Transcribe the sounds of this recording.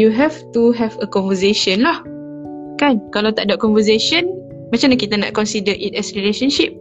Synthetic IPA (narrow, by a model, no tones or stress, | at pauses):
juɦɛft̪uɦɛvəkɔnvəseʃənlah | kankalawt̪aʔdaʔkɔ̃nvəs̬eʃən | mãt͡ʃamnakit̪ana̰ʔkɔnsidəʔit̪ɛsɾileʃənʃip̚